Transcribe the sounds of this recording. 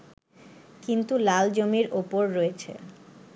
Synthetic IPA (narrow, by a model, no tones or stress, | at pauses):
kint̪ulald͡ʑomiɾopoɾːoet͡ɕʰḛ